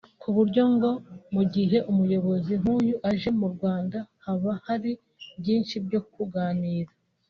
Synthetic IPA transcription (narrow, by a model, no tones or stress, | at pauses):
kuβuɾɟo̞ŋɡo̞muɟiɦe̞ʔumujo̞βo̞ziɦuːjuʔaʒe̞muɾɡwaːndahaβahaɾi | bɟiːnʃibɟo̞kuɡaːniːɾa